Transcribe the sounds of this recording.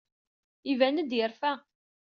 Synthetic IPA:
ivænəd̪jəɾfæ

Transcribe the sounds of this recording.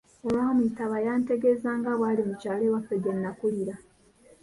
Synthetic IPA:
olaːmuitaβajaːnte̞ɡe̞zaːŋɡaβwaːlimucaːlewafeɡenːakuliɾa

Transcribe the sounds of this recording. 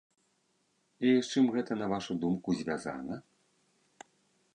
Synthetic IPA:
it͡ʂɨmɣɛt̪ɐnɐvaʂud̪umkuzʲvʲaza̰nɐ

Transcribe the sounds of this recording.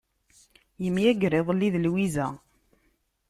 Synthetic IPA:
jəmjæɡɾɪðˤlːiðlwizæ

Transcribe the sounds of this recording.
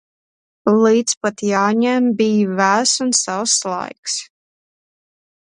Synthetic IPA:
lˠiːt̪spat̪jaːɲɛmbʲijvæːsunsawslˠa̰jks

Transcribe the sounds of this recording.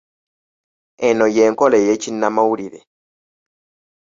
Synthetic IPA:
ɛnɔjɛːŋkɔlɛjɛt͡ʃinːamauɾiɾɛ̰

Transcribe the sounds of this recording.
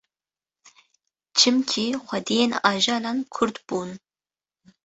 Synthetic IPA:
t͡ʃʰɪmkʲʰiːχʷɐd̪ejenaːʒaːlankʰʊɾd̪b̥un

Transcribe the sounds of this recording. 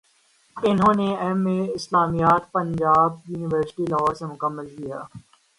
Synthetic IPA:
ɪnɦõːneɛmːẽɪslaːmijaːt̪pɐ̃ɲd͡ʒaːb̚juːnɪʋəɾsɪ̥ʈilɐɦɔːɾsemʊkəmːəlkijaː

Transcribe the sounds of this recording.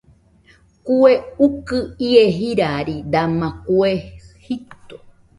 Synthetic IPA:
kueukɨieɦiɾaɾid̪amãkuehit̪o

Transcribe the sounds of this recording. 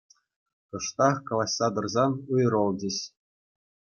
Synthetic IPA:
t̪ɤ̆ʂt̪ɑχkɑlˠɑsʲːɑd̪ɤ̆rzɑnujrɤ̆lˠd͡ʑʲĕɕ

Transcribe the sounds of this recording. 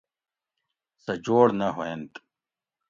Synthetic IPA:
sɐd͡ʑoːɽnɐɦoent̪

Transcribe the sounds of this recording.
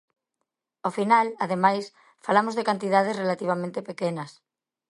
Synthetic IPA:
ofinalaðemajs | falamozðekant̪ið̞að̞esrelat̪iβ̞amẽnt̪epekenɐs

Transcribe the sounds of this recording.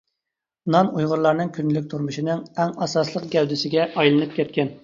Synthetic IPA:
nɑnujʁʊɾlˠɑɾnɨŋkʲʰynlykʲt̪ʰuɾmuʃinɨŋæŋɑsɑslˠəqɡʲɛwd̪ɪsɪɡʲɛʔɑjlˠɨnɨp̚kʲʰɛt̪̚kʲɛn

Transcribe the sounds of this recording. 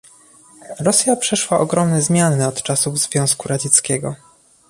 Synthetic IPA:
ɾɔsʲjapʂɛʂwaʔɔɡɾɔmnɛzmʲjanɘɔt̪t͡ʂasuvzvʲjɔ̃w̃skuɾad͡ʑɛt̪skʲɛɡɔ

